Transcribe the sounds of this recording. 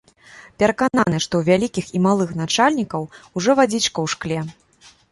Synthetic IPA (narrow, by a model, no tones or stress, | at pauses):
pʲɛɾɐkananɨʂt̪ɔwvʲalʲikʲiximalˠɨxnat͡ʂalʲnʲikɐwuʐɔvad͡zʲit͡ʂkɐwʂklʲɛ